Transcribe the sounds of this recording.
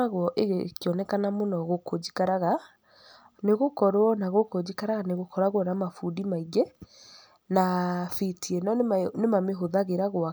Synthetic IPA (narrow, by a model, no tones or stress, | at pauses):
aɣwɔʔeɣekeɔnɛkanamonɔɣokod͡ʒikaɾaɣa | neɣokɔɾɔnaɣokod͡ʑikaɾaɣaneɣokɔɾaɣwɔnamafudimaiɡɛ | nafitʰiɛnɔnemameɦoðaɣeɾaɣwa